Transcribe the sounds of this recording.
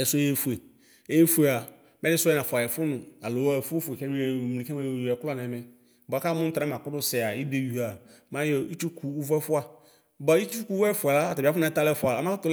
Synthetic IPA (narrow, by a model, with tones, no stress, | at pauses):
ɛ˨sʊ˦e˦fu˨e˨ | e˦je˦fu˨˦e˨a˨ | mɛ˦ɪ˦sʊ˦ɛ˦nã˨fʊ˨a˨jɛ˨fʊ˦nʊ̃˨a˨lo˨wa˦˨fu˦fu˨e˨kɛ˦m˦˨m˨i˨kɛ˦mã˦jo˦˨jɛ˨klɔ˦nɛ̃˨˦mɛ˨ | bɔ˨a˨˦ka˦mʊ̃˦tɾa˨˦mã˨kʊ˦dʊ˦sɛ˨a˨ji˦de˦ju˨a˨ | mã˦je˦i˦t͡ʃu˦kʰu˨u˦vɛ˦fʊ˦a˨ | ba˨˦i˦t͡ʃu˦ku˦ɛ˦fu˨a˨la˦a˨ta˨bfʊ˦nã˨˦ta˦lɛ˦fʊ˦a˨a˨ma˦tʊ˦l